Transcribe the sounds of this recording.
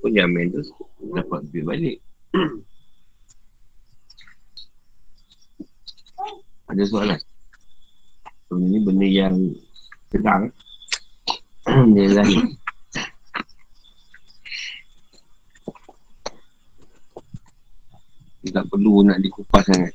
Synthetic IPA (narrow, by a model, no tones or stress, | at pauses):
pʊnjamɛnt̪udapat̪̚ləbɪhbalɪk̚ | adas̬oalan | səbənənibəndəjaŋsəɡaŋ | dialaɪ | it̪aʔpəlunaʔdikupatsaŋat̪̚